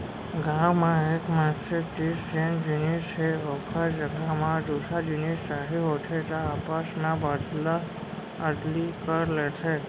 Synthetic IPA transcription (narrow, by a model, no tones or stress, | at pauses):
ɡãwmãekmaksed͡ʒisd͡ʒend͡ʒinist͡ʃʰeɔkʰad͡ʒəɡʱamãɖusad͡ʒinist͡ʃaɦeɦoʈʰet̪aːpasnãbad̪la | əɖ̪likəɾlet̪ʰe